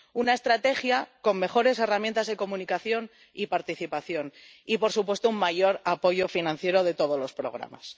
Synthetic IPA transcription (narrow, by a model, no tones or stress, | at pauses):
unae̞st̪ɾat̪e̞xjako̞mme̞xo̞ɾe̞se̞ramjent̪azðe̞ko̞mũnikaθjo̞n | ipaɾt̪iθipaθjo̞n | ipo̞ɾsupwe̞st̪oummaʝo̞ɾapo̞ʝo̞finãn̟θje̞ɾoðe̞t̪o̞ð̞o̞zlo̞spɾo̞̰ɣ̞ɾa̰ma̰s